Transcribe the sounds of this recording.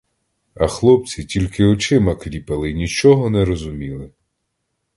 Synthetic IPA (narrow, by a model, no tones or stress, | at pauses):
ɐxlˠɔp̚t͡sʲitʲilʲkɪɔt͡ʃɪmɐklʲipɐlˠɪnʲit͡ʃɔɦɔnɛɾɔzʊmʲilˠɪ